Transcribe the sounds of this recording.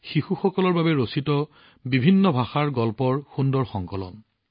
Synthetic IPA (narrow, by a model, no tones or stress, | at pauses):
xixuxɔkɔlɔɹbabɛɹositɔ | bibʱinːɔbʱaxaɹɡɔlpɔɹxundɔɹxɔŋkɔlɔ̰n